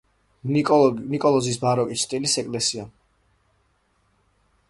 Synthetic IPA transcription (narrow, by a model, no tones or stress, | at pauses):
nikʼɔlˠɔzisbaɾɔkʼit͡ʃʰt̪ʼilisɛkʼlɛsia